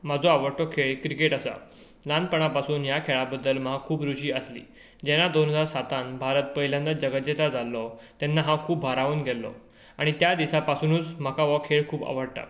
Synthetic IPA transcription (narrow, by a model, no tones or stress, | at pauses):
m̤ad͡zɔaʋəɽʈɔkʰeɭkɾikeʈasa̰ | lãnd̪̚pəɳ̃apasuːnjakʰeɭabəd̪ːəlmakʰuːpɾuɕiːəslḭː | d͡ʑɛnad̪onɦəd͡zaɾsat̪ãnbʱaɾət̪̚pəɦiljãnːad͡ʑəɡət̪d͡ʑet̪ad͡zalːɔt̪jɛnːaɦãkʰuːbbʱaɾaʋuːnɡʱɛlːɔ̰ | aɽ̃it̪jad̪isapasunuːt͡sm̤əkaʋɔkʰeɭkʰuːba̰ʋəɽʈa̰